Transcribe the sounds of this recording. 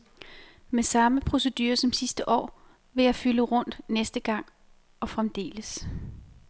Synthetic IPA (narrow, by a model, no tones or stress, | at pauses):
mesɑ̈məpʰʁo̝se̝d̥yːɐsɒ̽msisd̥əʔɒ̰ː | ʋe̝jɑ̈ɪfyləʁɔ̽n̰d̥nesd̥əɡ̥ɑ̈ŋ̰ | ɒ̽fʁamd̥e̝̰ːləs